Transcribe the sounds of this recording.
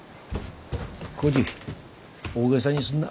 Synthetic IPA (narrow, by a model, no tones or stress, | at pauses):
kod͡ʑi | oɡes̬ʰaɲisun